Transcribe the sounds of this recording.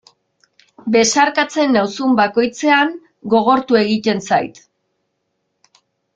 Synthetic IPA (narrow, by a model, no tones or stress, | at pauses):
be̞saɾkat͡se̞nːawsumbako̞jt͡se̞aŋ | ɡo̞ɣ̞o̞ɾt̪ue̞ɣit̪e̞nsa̰jt̪